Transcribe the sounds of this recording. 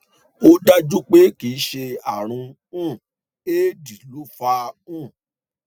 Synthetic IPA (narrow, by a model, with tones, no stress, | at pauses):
o˦da˦d͡ʒu˦k͡pe˦ki˨˦ʃe˧a˨ɾ̃ũ˧ | ũ˦˨ | e˦di˨lu˨˦fa˧ũ˦˨